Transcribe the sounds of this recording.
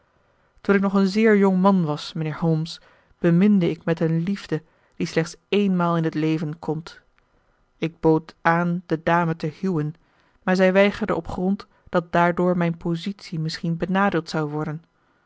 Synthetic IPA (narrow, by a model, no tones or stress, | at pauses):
tunɪknɔχənzɪːɹjɔŋmɑnʋɑsmənɪːɹɦowms | b̥əmɪndəɪkmɛtənlivdə | d̥islɛχtsejnmaːlˠɪnɦətlejvənkʰɔmt | ɪɡ̚bowtaːnd̥ədaːmətəhywən | maːɹzɛjʋɛjχəɹdə̰ɔpχrɔnt | d̥ɑt̚daːɹdʊːɹmɛjnpozitsimɪsχinbənaːdɪlˠtsɑwʋɔɹdən